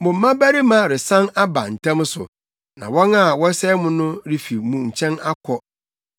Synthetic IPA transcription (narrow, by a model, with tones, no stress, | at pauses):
mʊ̃˨m̩˨˦mã˦bæ˦ɾi˦mã˦ɾɪ˨sã˦na˦ba̰˨n̩˨tʰã˦m˦sʊ̰˨ | nã̰˨wɔ̃˦na˦˨wɔ˦sɛ˦mʊ̃˦nʊ̃˦ɾi˦fi˨mũ˦ɲ̩˨t͡ɕʰɛ̃˦na˦kʰɔ˦